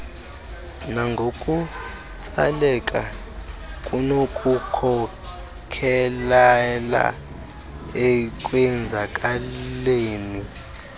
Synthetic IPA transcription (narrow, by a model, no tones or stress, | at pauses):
naŋɡʱokʼu | t͡sʼa̰lɛkʼa | kʼunokʼukʰɔ | kʰɛlala̰ | ɛkʼwɛnd͡zʱakʼaleːni